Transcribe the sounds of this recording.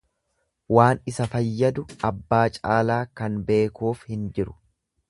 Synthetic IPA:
waːnɪsɐfɐjːɐd̪ʊɐbːaːt͡ʃʼaːlaːkɐnbe̞ːkuːfhɪnd͡ʒɪɾʊ̥

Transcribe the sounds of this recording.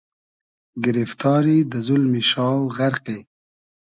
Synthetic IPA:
ɡɪɾift̪ʰɑːɾid̪əzulmiʃɑːwɣaɾqe

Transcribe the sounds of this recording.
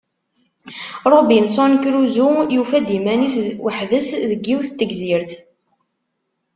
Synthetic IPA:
ɾˤobinsˤɑnkɾuzujufæd̪imæniswəħðəsðəɡːiwθt̪ːəɡziɾθ

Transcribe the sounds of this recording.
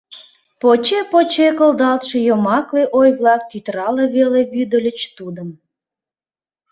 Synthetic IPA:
pot͡ɕepot͡ɕekəld̪ɑlt̪ʃĕjomɑkleʔojβlɑk̚t̪yt̪rɑleβeleβyd̪ə̆lʲət͡ɕt̪ud̪əm

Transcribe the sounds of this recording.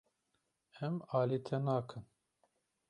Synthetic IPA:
ɛmaːliːt̪ʰɛnaːkʰɨn

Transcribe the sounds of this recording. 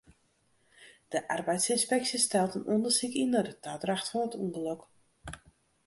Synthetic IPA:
d̥əʔarbɛjtsɪnspɛksistɛlˠtənʔondərsikinɔdətʰaːdraxtfɔnətuŋɡəløk

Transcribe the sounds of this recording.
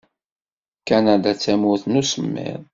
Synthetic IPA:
kænæd̪æt͡sːæmʊθnusəmːɪ̰ɾˤ

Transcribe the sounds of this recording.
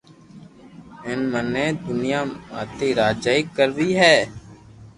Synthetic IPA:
ɪnmənːẽːd̪ʊnɪjaːma̰ːt̪iːɾaːd͡ʒaːɪkːəɾʋiːɦɛː

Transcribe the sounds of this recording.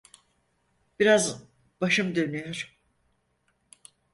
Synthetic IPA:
b̥iɾaz | b̥aʃɯmd̪ønyjoɾ̥

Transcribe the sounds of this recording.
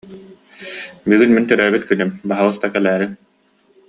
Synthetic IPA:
bɯɡɯnmint̪œɾœːbit̪kynymbaɦawɯst̪akɛlæːɾi

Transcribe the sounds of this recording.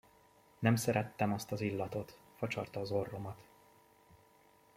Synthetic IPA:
nɛmsɛɾɛt̪ːɛmɒst̪ɒzilːɒt̪o̞t̪ | fɒt͡ʃɒrt̪ɒːzo̞rːo̞mɒt̪

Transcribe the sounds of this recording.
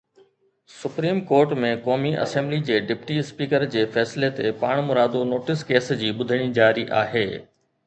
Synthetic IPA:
sʊpɾiːmkoːɾʈmẽkɔːmiʔɐ̰sɛ̃ːmblid͡ʑeːɖɪpʈispiːkəɾd͡ʑeːfɛːslet̪epaːɽ̃mʊɾaːd̪onoːʈɪskeːsd͡ʑiːɓʊd̪ʱəɽ̃id͡ʑaːɾiʔa̰ːɦeː

